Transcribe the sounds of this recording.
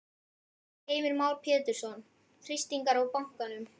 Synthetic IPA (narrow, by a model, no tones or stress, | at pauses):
eːjmɪɾmaːwɾpʰɛːt̪ɪɾ̥sɔn | θɾist̪iŋkaɾɔwpawŋ̥kanʏm